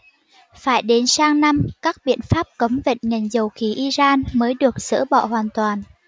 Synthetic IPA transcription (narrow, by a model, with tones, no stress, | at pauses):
faː˧˩jɗe˨˦nsaː˧ŋna˧mkaː˦˥k̚ɓḭ˧˨ənfaː˦˥p̚kə˨˦wŋ͡mvḛ˧˨ŋ̟ŋə˨˩ŋ̟zə˨˩wxi˨˦ʔi˧zaː˧nməː˨˦jɗɨ˨˩ək̚sɨ̰˧˥ɓɔ̰˧˨ɦwaː˨˩nt̪waː˨˩n